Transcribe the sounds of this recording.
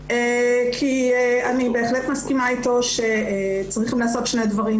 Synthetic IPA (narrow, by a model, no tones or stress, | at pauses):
ekʰieanibe̞ːχletmaskimaito̞ʃet͡sʁiχimleːso̞t̪ʃne̞dvɐʁim